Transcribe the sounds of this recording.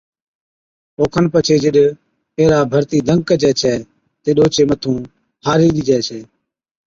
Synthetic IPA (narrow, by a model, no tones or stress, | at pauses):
oːkʰənpət͡ʃʰeːd͡ʒɪɗ | eːɾaːbʱəɾt̪iːd̪ʱəŋɡ̚kəd͡ʒɛːt͡ʃʰɛː | t̪eːɗoːt͡ʃeːmət̪ʰũː | haːɾiːɗiːd͡ʒɛːt͡ʃʰɛː